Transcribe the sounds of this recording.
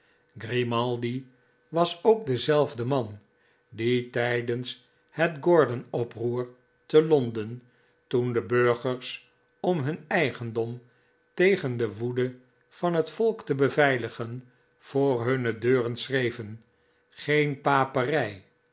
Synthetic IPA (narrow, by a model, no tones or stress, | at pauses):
ɡrimɑlˠdi | ʋɑsoʊk̚dəzɛlˠvdəmɑn | ditɛjdəns | hətɡɔɹdənɔpruːɹ | təlɔndən | tundəbøɹχəɹs | ɔmɦɵnɛjχəndɔm | tejχəndəʋudə | v̥ɑnɦətfɔlˠktəbəvɛjləχən | v̥ʊːɹɦɵnədøːrənsrejvən | χejnpaːpərɛj